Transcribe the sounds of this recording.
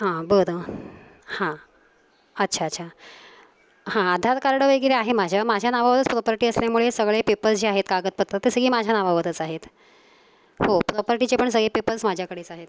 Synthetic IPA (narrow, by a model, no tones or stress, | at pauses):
ɦãbəd̪ʱə | hã | ətːɕʰaətːɕʰa | hãəd̪ʱat̪kaɾɽəʋəɡiɾeaɦemad͡ʑʱjamad͡ʑʱjanaʋaʋəd̪ət͡spɾɔpəɾʈiːəsljamuɭesəɡɭepepəɾsd͡ʑiːaɦet̪kaɡət̪̚pət̪ɾət̪esəɡiːmad͡ʑʱjanaʋaʋəd̪ət͡saɦet̪ | hopɾɔpəɾʈit͡ɕepəɳsəɡɭepepəɾsmad͡ʑʱjakəɽet͡saɦet̪